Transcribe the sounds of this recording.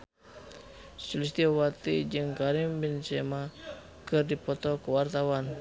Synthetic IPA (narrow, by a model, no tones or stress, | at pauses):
sulis̬t̪iawat̪id͡ʒɨŋkaɾimbinsɛma | kɨrdipɔt̪ɔkəwart̪awan